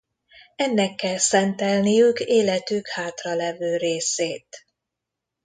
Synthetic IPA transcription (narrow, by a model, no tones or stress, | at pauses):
ɛnːɛkːɛlsɛnt̪ɛlnijykeːlɛt̪ykhaːt̪rɒlɛvøːɾeːseːt̪